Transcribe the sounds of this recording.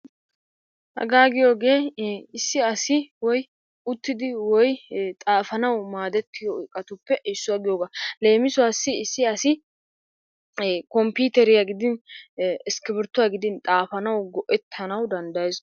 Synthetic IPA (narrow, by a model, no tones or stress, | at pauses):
hɐ̰ɡaːɡɪjo̞ːɡe̞ːɪsːɪɐsɪwɔj | ʊt̪ːɪd̪ɪwɔjt̪ʼaːfɐnɐwmaːd̪ɛt̪ʰːɪjoɪkʼːɐt̪ʊpːɛʔɪsːʊwaːɡɪjoːɡale̞ːmɪsʊwasːɪːsːɪɐsɪ | kɔmpiːt̪ɛɾɪjaɡɪd̪ɪn | ɪskɪbɪɾt̪ːʊwaɡɪd̪ɪnt̪ʼaːfɐnɐwɡɔʔɛt̪ʰːɐnɐwd̪ɐnd̪ɐjz